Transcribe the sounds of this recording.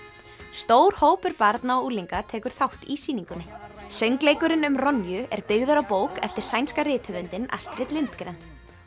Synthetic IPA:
st̪oːwɾ̥hoːwpʏɾpaɾt̪naɔuːliŋkat̪ʰɛːkʏɾ̥θawht̪iːsiːniŋkʏnːɪsœɥŋklejkʏɾɪnʏmrɔnjʏʔɛɾpɪɣðʏɾawpoːwkɛft̪ɪɾ̥sajnskarɪːt̪hœvʏnt̪ɪna̰st̪ɾɪt̪lɪnt̪kɾɛn

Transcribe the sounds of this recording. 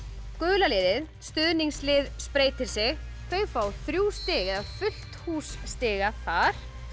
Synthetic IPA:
kʏːlalɪːðɪð | st̪ʏðniŋslɪːðspɾeːjt̪ɪɾ̥sɛɣ | θœːɥfaːwθɾjuːst̪ɪːɣɪðaðfʏl̥t̪huːsːt̪ɪːɣaθaɾ̥

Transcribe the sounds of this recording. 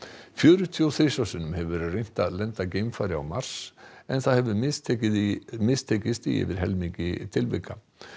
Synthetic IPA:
fjœːɾʏt̪ʰjɔwθejsawsɪnʏmhɛvvɛɾrejŋ̥t̪alɛnt̪acejmfaːɾɪa̰wmar̥sɛ̰nθaðhɛvʏɪs | mɪst̪ʰeːcɪst̪ḭɛ̰vɪɾ̥ɦɛlmiɲcɪt̪ʰɪlvɪ̰ka

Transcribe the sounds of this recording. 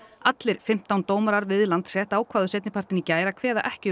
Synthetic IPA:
at̪lɪɾ̥fɪm̥t̪awnt̪oːwmaɾaɾvɪðlant̪sɛːht̪aːwkʰv̥aːðʏsɛt̪nɪpʰaɾ̥t̪ɪnicaːjɾakʰvɛːða̰ʔɛhcɪ

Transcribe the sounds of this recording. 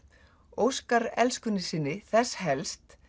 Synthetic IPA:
owskaɾɛlskʏnːɪsɪnːɪθɛshɛlst̪

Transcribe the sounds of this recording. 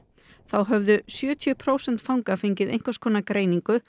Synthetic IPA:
θawɦœvðʏsjœːt̪ʰjʏpʰɾoːwsɛn̥t̪fawŋkafejɲcɪðḛjŋ̥kḁskʰɔːnakɾeːjniŋkʏ

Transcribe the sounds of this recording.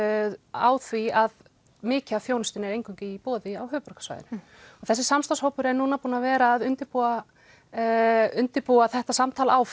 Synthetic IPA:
aːwθviað | mɪːcaθjownʏst̪ɪnɛɾejnŋkʰawɲcɪipɔːðɪawɦʏːʏpɾɔ̥kḁsva̰jðɪnɪ̥ | ɔɣθɛsɪ̥samst̪ashowpʏɾɛɾnuːnapuːnavɛːɾaːðʏnt̪ɪɾpua | ʏnt̪ɪpuaθɛht̪asamt̪ʰaːlaawf

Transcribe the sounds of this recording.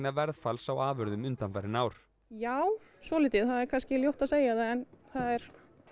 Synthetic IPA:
navɛɾðfalsawaːvœɾðʏmʏnt̪anfajɾɪnaːwɾ̥ | jaːw | svɔːlɪt̪ɪðθaðɛɾkʰanscɪljowht̪aðseːjaðaðɛnθaðɛɾ̥

